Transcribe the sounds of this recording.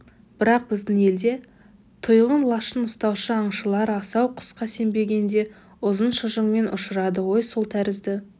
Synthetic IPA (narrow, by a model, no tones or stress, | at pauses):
b̥ɪɾɑq̚bɪzd̪ɪŋe̞ld̪e̞ | t̪ʰʊjʁənlˠɑʃənʊst̪ɑwʃəɑɴʃəlˠɑɾɑsɑwqʰʊ̥sqɑse̞mbe̞ɡʲe̞nd̪e̞ | ʊzənʃəʒəɴme̞nʔʊ̰ʃəɾɑd̪əwo̞jsolˠt̪ʰæɾɪzd̪ɪ